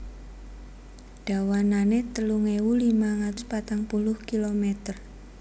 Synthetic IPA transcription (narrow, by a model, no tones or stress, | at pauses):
ɖ̥a̤wananet̪əluŋewulimaŋat̪ʊspat̪aŋpulʊhkilomɛt̪ər